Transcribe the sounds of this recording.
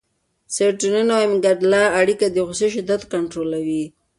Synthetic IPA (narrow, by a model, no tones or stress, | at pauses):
seʈununawmɡaɖlaːɽikad̪əɣʊseʃɪd̪at̪kaɳʈɾolawi